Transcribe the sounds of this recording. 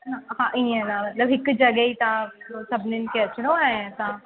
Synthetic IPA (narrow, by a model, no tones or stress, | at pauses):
aɦãʔiɛ̃nãmɐt̪ləbɦɪkd͡ʒɐɡəit̪asɐbʱnɪnkeɐt͡ʃɽõãt̪a